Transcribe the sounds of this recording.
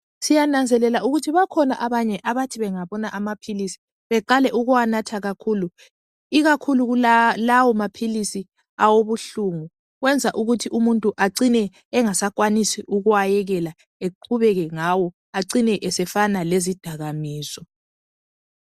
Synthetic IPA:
sijanand͡zʱɛlɛlauɣutʰiβakʰɔnaʔaβaɲɛʔaβatʰiβɛŋaβɔnaʔamapʰilisi̥ | βɛǃalɛʔuɣuwanatʰaɣakʰulu | iɣakʰuluɣulawɔmapʰilisi | awoβuɬuŋu | ɣwɛnd͡zʱaʔuɣutʰiʔumuntʼuʔaǀinɛː | ŋasakwanisiʔuɣuajɛɣɛla | eǃʰuβɛɣɛŋawɔ | aǀinɛʔɛsɛfanalezid̥ʱaɣamiːsɔ

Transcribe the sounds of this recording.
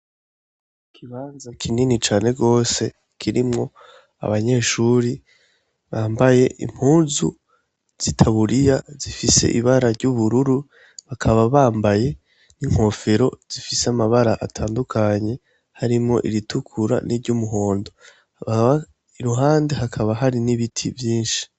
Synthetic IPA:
kʰiβaːnzakʰininit͡ʃaːne̞ɡo̞ːse̞ | kʰiɾimŋo̞ | a̰βaɲe̞ːʃuɾi | βaːmbaje̞ʔḭm̥huːnzu | z̥itʰaβuɾijazifise̞̰ʔiβaɾaɾɟuβuɾuɾu | βakʰaβaβaːmbaje̞ | niŋ̥ho̞fe̞ɾo̞z̥ifiseamaβaɾaʔa̰tʰaːndukʰaɲe̞ | haɾimŋo̞̰ʔiɾitʰukʰuɾa̰nʔiɾɟumuɦo̞ːndo̞ | βaβa | iɾuɦaːndeɦakʰaβaɦaɾiniβitʰivjiːnʃi̥

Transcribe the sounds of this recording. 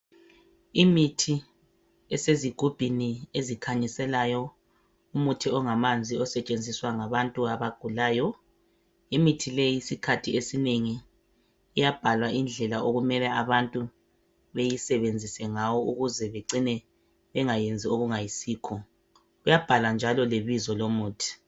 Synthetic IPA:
imitʰi | ɛseziɡ̥ʱub̥ʱiniezikʰaɲisɛlajɔ | umutʰiɔŋamand͡zʱiɔsɛt͡ʃʼend͡zʱiswaŋaβantʼuaβaɡ̥ʱulaːjɔ | imitʰilejiisikʰatʰiesineŋiː | jab̥ʱalwaʔind͡ɮʱɛlaʔoɣumɛlɛʔaβantʼu | βejisɛβend͡zʱisɛŋawɔʔuɣuzɛβeǀinɛ | βɛŋajend͡zʱioɣuŋajisiːkʰɔ | ujab̥ʱaland͡ʒʱalɔleβizɔlomuːtʰi̥

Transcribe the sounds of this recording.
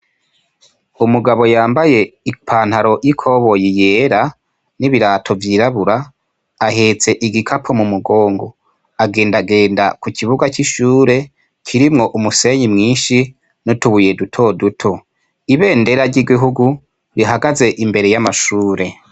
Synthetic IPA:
umuɡaβo̞jaːmbaje̞ipʰaːn̥haɾo̞jikʰo̞βo̞jijeːɾa | niβiɾaːtʰo̞vjiɾaβuɾa | aheːt͡se̞ʔiɡikʰapʰomumuɡo̞ːŋɡo | aɡe̞ːndaɡe̞ːnda̰kukʰiβuɡat͡ʃiʃuːɾe̞ | kʰiɾimŋo̞ʔumuse̞ɲimŋiːnʃi | notuβuje̞dutʰo̞dutʰo̞ | iβe̞ːnde̞ɾaɾɟiɡiɦuɡu | βiɦaɡaze̞ʔimbe̞ɾe̞jamaʃuːɾe̞

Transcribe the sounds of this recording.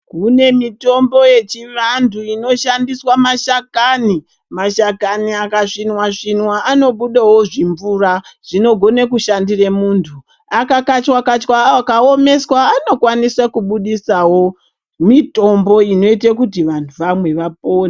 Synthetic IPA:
kune̞mito̞mbo̞je̞t͡ʃiʋandʰuino̞ʃandiswamaʃakaːni | maʃakaniakaʂinwaʂinwaʔano̞ɓuɗawo̞ʐiɱvuːraʐ̥ino̞ɡʱo̞nekuʃandiremuːntʰu | akakat͡ʃwakat͡ʃkwakao̞me̞swaːno̞kwaniswakuɓuɗisawo̞ | mito̞mbo̞ino̞itekutiʋantʰuʋamwe̞ʋap̚oːna

